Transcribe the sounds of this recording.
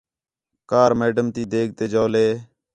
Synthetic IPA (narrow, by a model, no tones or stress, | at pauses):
kaːɾmeːɖəmt̪iːd̪eːɡ̚t̪eːd͡ʒoːleː